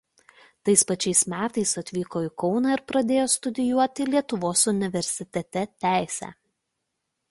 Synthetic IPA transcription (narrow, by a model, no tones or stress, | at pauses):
t̪ɐɪspɐt͡ʃʲɛɪsmʲæːt̪ɐɪsɐt̪ʲʋʲiːkoːɪkɔʊnɑːɪɾpɾɐd̪ʲeːjoːst̪ʊd̪ʲɪjuɔt̪ʲɪlʲiɛt̪ʊʋoːsʊnʲɪʋʲɛɾʲsʲɪt̪ʲɛt̪ʲɛt̪ʲæˑɪsʲæ̰ː